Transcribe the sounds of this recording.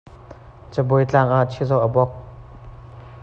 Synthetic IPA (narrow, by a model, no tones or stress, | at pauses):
t͡səbojt͡ɬaŋʔaʔt͡ʃʰizowʔɐbɔk̚